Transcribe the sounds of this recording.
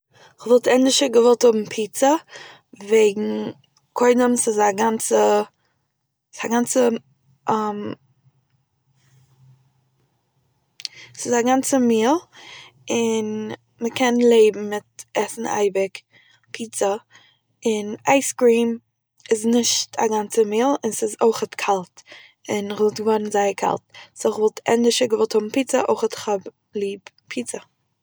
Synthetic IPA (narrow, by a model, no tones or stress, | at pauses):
ɪχvɔlˠtʰɛndɪʃəɡəvɔlˠthʊbm̩pʰiːt͡sə | veɪɡŋ̩ | kʰɔɪdəmsɪzaɡant͡sə | saɡant͡sə | ʔam | sɪzaɡant͡səmiːlˠ | ɪn | məkʰɛnlˠeɪbm̩mɪt̚ɛsn̩a̰ɪbɪk | pʰiːt͡sə | ɪnaɪskɾiːm | ɪznɪʃtʰa̰ɡant͡səmiːlˠɪnsɪzoɪχətkʰalˠt | ɪnɪχvɔlˠtɡəvɔnn̩zaɪəkʰa̰lˠtsɪχvɔlˠtʰɛ̰ndɪʃəɡəvɔlˠthʊbm̩piːt͡səʔo̰ɪχətχɔb | lˠiːb | pʰiːt͡sə